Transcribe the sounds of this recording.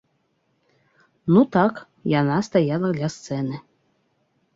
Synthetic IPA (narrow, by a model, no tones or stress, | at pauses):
nut̪ɑk | jɑnɑst̪ɑjɑlˠɑɡ̪lʲɑst̪sɛnɘ̆